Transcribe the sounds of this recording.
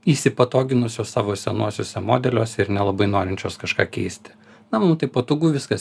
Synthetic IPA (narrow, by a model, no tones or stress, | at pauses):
iːsʲɪpɐt̪oːɡʲɪnʊsʲoːssɑːʋoːsʲɛnuɔsʲoːsʲɛmoːd̪ʲɛlʲoːsʲɛɪɾnʲɛlˠɐbɐɪnoːɾʲɪnʲt͡ʃʲoːskɐʃkɑːkʲɛɪsʲt̪ʲɪ̥ | nɐmɐmt̪ɐɪpoːt̪uːɡuːʋʲɪskɐs